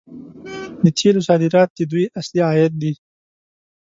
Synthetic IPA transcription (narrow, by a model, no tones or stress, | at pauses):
d̪ət̪ʰelusɑːd̪ɪɾɑːt̪̚d̪ed̪ujasliaːjat̪̚d̪i